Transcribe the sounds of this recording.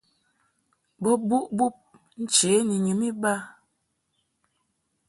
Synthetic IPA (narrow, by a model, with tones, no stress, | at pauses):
bɔ˦bu˦ʔbu˦p̚ | n̩˦t͡ʃe˨˦ni˨ɲi˨mi˦ba˦